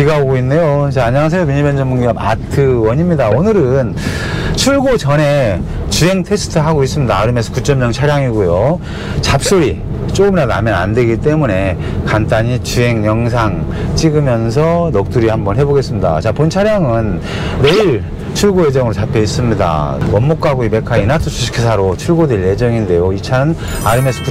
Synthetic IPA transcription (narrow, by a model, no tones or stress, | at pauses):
kiɡaoɡoinːe̞jot͡ɕaːɲaŋas̬ʰejomiɲibend͡ʑʌnmuŋɡiama̰tʰɯwʌɲimɲidaonɯɾɯn | t͡ɕʰuɭɡot͡ɕʌne̞ | t͡ɕuɦe̞ŋtʰe̞sʰɯ̥tʰɯɦaɡois͈ɯmɲidaɾɯmjʌnsʰʌkut͡ɕ͈ʌmɲʌŋt͡ɕʰaɾjaŋiɡojo | t͡ɕap̚s͈oɾi | t͡ɕ͈oɡɯmdada̰mjʌna̰ndwe̞ɡit͈e̞mune̞ | kant͈aɲit͡ɕuɦe̞ŋɲʌŋs̬ʰaŋ | t͡ɕ͈iɡɯmjʌns̬ʰʌnʌk̚t͈uɾihambʌnɦe̞boɡe̞s͈ɯmɲida̰t͡ɕapont͡ɕʰaɾjaŋɯnː | e̞iɭ | t͡ɕʰuɭɡoe̞d͡ʑʌŋɯɾot͡ɕapʰeis͈ɯmɲida̰wʌmːok͈aɡoibe̞kʰainatʰosʰui̥kʰesʰaɾot͡ɕʰuɭɡodeɭːe̞d͡ʑʌŋinde̞joit͡ɕʰanɯn | aɾɯmesʰʌ̥ku